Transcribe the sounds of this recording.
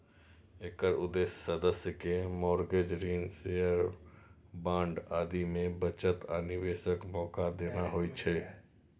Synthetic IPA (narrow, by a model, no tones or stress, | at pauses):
eːkəɾʊd̪eːssəd̪əsjəkemɔːɾɡeːd͡ʒɾiːnseːəɾ | bãːɳɖaːd̪imẽbət͡ʃət̪əːnɪʋeːʃəkmɔːkad̪eːnaɦoːit͡ʃʰɛː